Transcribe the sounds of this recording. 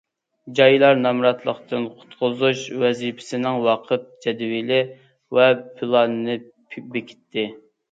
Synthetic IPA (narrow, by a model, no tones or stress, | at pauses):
d͡ʒɑjlˠɑɾnɑmɾɑt̪lˠəqt̪ʰɨnqʰʊ̥t̪qʊzuʃwɛzipʰɪ̥sɪnɪŋwɑqʰəp̪̚d͡ʒɛd̪wilɪ | wɛpʰɪlˠɑnɨnɨ | bekʲʰɪ̥t̪ʰːɪ